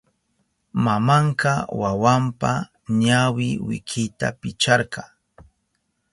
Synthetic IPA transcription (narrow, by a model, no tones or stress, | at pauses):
mamɑɴqɑwawampa | ɲawɪwɪ̰kʰɪt̪a̰pɪt͡ʃɑɾɢɑ